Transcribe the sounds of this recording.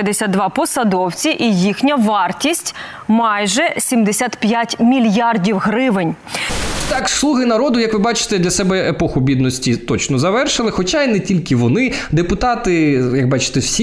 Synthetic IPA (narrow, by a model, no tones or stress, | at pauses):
d̪esʲad̪d̪ʋɑpɔsɐd̪ɔwt͡sʲiʔijixnʲɐʋɑrtʲisʲtʲ | mɑjʒɛsʲimd̪esʲat̪pʲjatʲmʲilʲjardʲiwɦɾɪʋɪnʲ | t̪ɑkslˠuɦɪnɐɾɔd̪ʊjɐkʋɪbɑt͡ʃɪ̥t̪ɛd̪lʲɐsɛbɛepɔxʊbʲid̪nɔsʲtʲit̪ɔt͡ʃnɔzɐʋɛrʃɪlˠɪxɔt͡ʃainɛtʲilʲkɪʋɔnɪd̪epʊt̪ɑt̪ɪjɐk̚bɑt͡ʃɪ̥t̪ɛwsʲ